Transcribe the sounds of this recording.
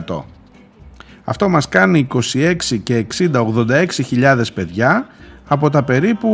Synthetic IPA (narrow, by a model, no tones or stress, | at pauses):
t̪o̞̰ | ɐ̰ft̪o̞mɐskɐniːko̞sie̞ksice̞ːksind̪ɐoɣðo̞nd̪ɐe̞ksiçiʎɐðe̞spe̞ðʝɐːpo̞t̪ɐpe̞ɾipu